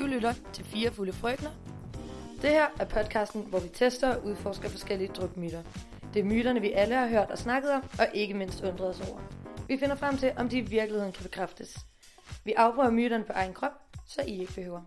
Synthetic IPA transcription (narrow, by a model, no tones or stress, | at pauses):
ulyɾ̥ɐt͡sʰe̝lfiːɐfuləfʁœɡ̥nɐ | d̥e̝hæɐ̰æɐpʰɒ̽d̥̚kʰɑ̈ːsd̥n̩ʋɒʋit͡sʰesd̥ɐɒ̽ʔuð̞ˠfɒːsɡ̥ɐfɒ̽sɡ̥el̰iəd̥ʁɔɡ̥̚myːɾ̥ɐ | d̥e̝æɐmyːɾ̥ɐnəʋiʔæləhɑ̈ɦøɐ̰d̥ɒ̽snɑ̈ɡ̥ð̞̩ˠɒ̽mɒ̽ʔe̝ɡ̥əme̝n̰sd̥ɔ̽nd̥ʁɐðˠɒsɒʊ̰ɐʋife̝nɐfʁam̰t͡sʰe̝lʔɒ̽md̥iːʋiɐɡ̥liheðˠn̩kʰæb̥e̝kʰʁafd̥əs | ʋiʔɑ̈ʊb̥ʁœːɐmyːɾ̥ɐnəpʰɒ̽ʔɑ̈ɪn̩kʰʁɒ̽b̥̚sɒ̽ʔie̝ɡ̥əb̥e̝høːʊɐ